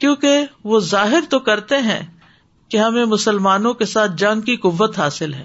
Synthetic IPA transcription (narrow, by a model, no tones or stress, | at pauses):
kjõːkeʋozaːɦɪɾt̪okɐɾt̪eɦɛ̰̃ː | keɦɐmẽmʊsəlmaːnõkesaːt̪̚ʰd͡ʒɐ̃ŋɡkiqʊʋːət̪ɦaːsɪlɦɛ̰ː